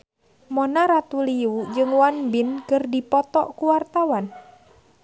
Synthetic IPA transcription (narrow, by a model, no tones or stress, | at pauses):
mɔnaɾat̪uliud͡ʒɨŋwanbinkɨrdipɔt̪ɔ̰ʔkuwart̪awan